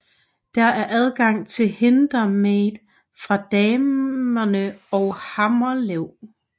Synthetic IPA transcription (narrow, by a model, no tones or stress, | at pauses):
d̥ææɐʔæð̞ˠɡ̥ɑ̈ŋ̰t͡sʰe̝lhe̝nd̥ʁɐmed̥ | fʁɑ̈d̥ɛːmɐnəɒʊhɑ̈mɐleʊ̰